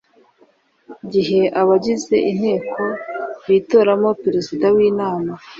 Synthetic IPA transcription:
ɟiɦe̞ʔaβaɟize̞ʔin̥he̞ːkʰo̞βiːto̞ːɾamo̞peɾezidawiːnaːma

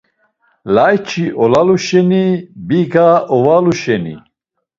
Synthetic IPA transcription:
lajt͡ʃʰiʔɔlaluʃɛnibiɡaɔvaluʃɛnḭ

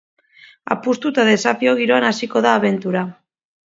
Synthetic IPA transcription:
a̰pust̪ut̪aðe̞safio̞ɣ̞iɾo̞anasiko̞ðaːβe̞nt̪uɾa

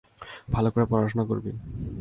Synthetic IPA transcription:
bʱalokoɾepɔɾaʃonako̰ɾbḭ

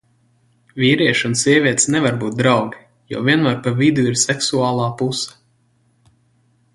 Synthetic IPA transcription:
vʲiːɾiɛʃunsʲiɛvʲiɛt̪sʲnɛvaɾbuːt̪̚d̪ɾawɡʲi | jɔ̰viɛnmaːɾpavid̪uiɾsɛksuaːlˠaːpusɐ̥

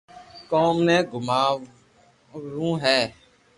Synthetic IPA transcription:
kɔːmnɛ̃ːɡʱʊmaː | ɾũːɦɛː

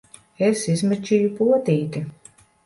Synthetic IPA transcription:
esizmɛt͡ʃʲijupuɔt̪iːt̪i

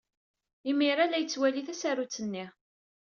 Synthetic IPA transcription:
imiɾalæjət͡sːwæliθæsaɾut͡sːənːi

